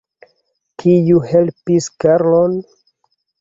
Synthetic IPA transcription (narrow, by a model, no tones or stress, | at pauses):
kʰijuhelpiskaɾlon